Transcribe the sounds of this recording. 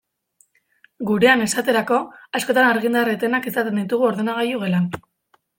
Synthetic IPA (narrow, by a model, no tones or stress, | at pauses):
ɡuɾe̞ane̞sat̪e̞ɾako̞asko̞t̪anaɾɣind̪aret̪e̞nakesat̪e̞nd̪it̪uɣ̞uo̞ɾðe̞naɣajuɣe̞lan